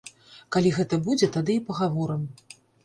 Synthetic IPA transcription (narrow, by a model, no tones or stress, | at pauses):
kalʲiɣɛt̪ɐbud͡zʲɛt̪ad̪ɨipɐɣavɔɾɨm